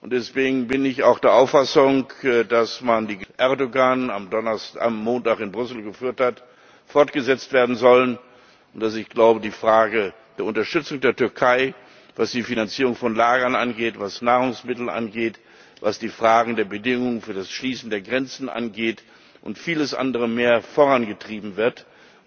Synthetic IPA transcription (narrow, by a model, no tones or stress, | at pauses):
ʔʊntd̥ɛsv̥eːɡŋ̩bɪnɪçaʊxd̥eːɐʔaʊfasʊŋkdasmandiːʔɛɐdoɡanamdɔa̰mːoːntaχɪnbʁʏsl̩ɡəfyːɐthat | fɔɐtɡ̥əzɛt͡stv̥eːɐdn̩zɔlən | ʔʊntd̥asɪçɡ̥laʊbədiːfʁ̥aːɡə | d̥eːɐʊntɐʃtʏt͡sʊŋdeːɐtʏɐkʰaɪ | vasd̥iːfinant͡siːʁʊŋfɔnlaːɡɐnʔanɡeːtv̥asnaːʁʊŋsmɪtl̩nʔa̰nɡeːt | vasd̥iːfʁ̥aːɡŋ̩deːɐbədɪŋʊŋənfyːɐdasʃliːsn̩deːɐɡʁɛnt͡sn̩ʔa̰nɡeːt | ʔʊntfiːləsʔa̰ndəʁəmeːɐfoʁanɡətʁ̥iːbm̩vɪɐt